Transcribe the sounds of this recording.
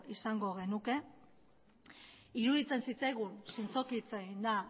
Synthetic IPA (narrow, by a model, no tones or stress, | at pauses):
isaŋɡo̞ɣ̞e̞nuke̞ | iɾuðit͡se̞nsit͡sajɣunsint͡so̞kit͡seind̪a